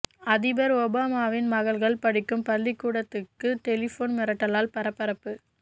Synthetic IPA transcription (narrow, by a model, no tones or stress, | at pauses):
ɐðɪbɐɾɔbaːmaːʋɪnmɐɣɐɭɣɐɭpɐɽɪkːɯmpɐlːɪkːuːɽɐt̪ːɯkːɯʈɛlɪfoːnmɪɾɐʈːɐlaːlpɐɾɐpːɐɾɐpːɯ